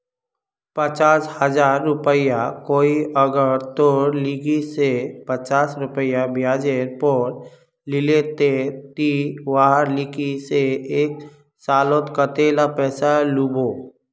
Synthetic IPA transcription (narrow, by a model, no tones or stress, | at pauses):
pət͡ʃaːshəzaːɾːʊpəjakoːiʔəɡəɾt̪oːɾliɡisepət͡ʃaːsɾʊpəjabjaːd͡ʒeɾpəɾ | lɪlet̪et̪iʋaɦəɾlɪkiseeːk̚ | saːlot̪kət̪elapɛːsalubo